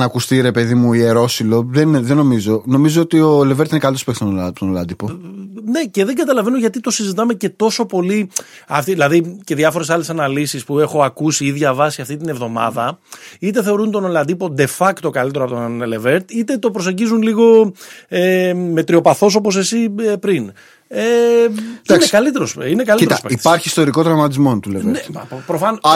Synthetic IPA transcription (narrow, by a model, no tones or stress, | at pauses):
nɐkust̪iɾe̞pe̞ðimuieɾo̞silo̞ðenðenːo̞mizo̞no̞mizoot̪io̞leveɾt̪inekɐlit̪ospksit̪ont̪onolɐnd̪ipone̞ce̞ðe̞ŋɡɐt̪ɐlɐve̞noʝɐt̪it̪o̞sizit̪ɐmece̞t̪o̞so̞po̞liɐft̪iðilɐðice̞ðʝɐfo̞ɾe̞sɐle̞sɐnɐlisispue̞xo̞ɐkusiiðʝɐvɐsiɐft̪it̪ine̞vðo̞mɐ̰ðɐit̪e̞θe̞o̞ɾunt̪onolɐnd̪ipo̞d̪e̞fɐkt̪okɐlit̪eoɐpot̪ole̞ve̞ɾt̪it̪e̞t̪o̞pɾose̞ɟizunliɣo̞eme̞t̪ɾio̞pɐθo̞s̬o̞po̞s̬e̞siepɾin | e | iekɐlit̪e̞ɾosine̞kɐlit̪ɐspei̥pɐɾçiːst̪o̞ɾiko̞t̪ɾɐmɐt̪izmo̞nt̪uleneɐpopɾofɐn